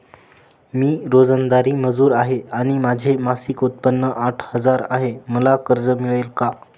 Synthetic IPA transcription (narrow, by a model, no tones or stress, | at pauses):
miːɾod͡zənd̪aɾiːməd͡zuːɾaɦeaɽ̃imad͡ʑʱemasikut̪̚pənːəʔaʈʰhəd͡zaɾaɦeməlakəɾd͡zəmiɭelka